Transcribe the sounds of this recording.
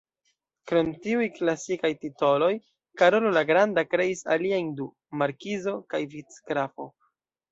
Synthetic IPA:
kɾo̞mtiujklasikajtito̞lo̞j | kaɾo̞lolaɡɾandakɾe̞isa̰liajndu | maɾkizo̞kajvit͡skɾafo̞

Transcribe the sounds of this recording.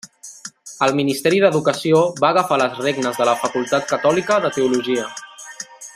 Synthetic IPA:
əlˠminist̪ɛɾiðəðukəsioβaːɣəfaləzreɡnəzðələfəkulˠt̪at̪kət̪ɔlikəðət̪əuluʒiə

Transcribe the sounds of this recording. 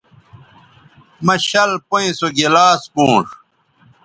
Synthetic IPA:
mɐɕɐlpoĩsoɡelaːspũːʂ

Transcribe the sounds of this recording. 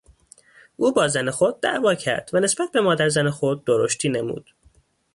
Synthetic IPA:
ʔuːbɒːzæne̞xod̪̚ːæ̰ʔvɒːcʰæ̰ɾd̪̥væne̞sb̥æt̪̚ʰbe̞mɒːd̪æɾzænexo̞d̪̚ːoɾoʃt̪ʰiːne̞mṵːd̪̥

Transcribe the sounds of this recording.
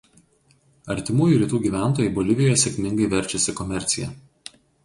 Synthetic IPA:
ɐɾʲt̪ʲɪmuːjuːɾʲiːt̪uːɡʲiːʋʲæˑnt̪oːjɛɪboːlʲɪʋʲɪjɔjɛsʲɛkʲmʲɪŋɡɐɪʋʲɛɾʲt͡ʃʲɛsʲɪkɔmʲɛɾʲt̪sʲɪjɛˑ

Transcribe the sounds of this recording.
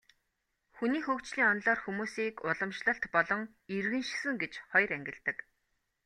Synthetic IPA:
xuniːxɵːkt͡ɕɮiːŋɔnɮɔːrxumuːsiːkʊɮɞ̆mʃɮə̆ɬt̪pɔɮɞ̆ŋ | irɣɘ̆nʃsɘ̆ŋɡet͡ɕχɔjræŋɡʲɪ̆ɬt̪ɘ̆k

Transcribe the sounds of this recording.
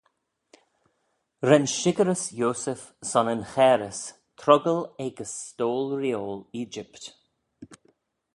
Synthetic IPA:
ɾɛnʃɪɡəɾəsjoːsəf | sɔnənxɛːɾəs | t̪ʰɾɔɡəlɛɡəstoːlɾjoːliːd͡ʒɪpt̪

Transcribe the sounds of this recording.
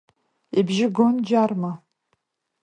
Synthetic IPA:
ibʒɪɡond͡ʒarma

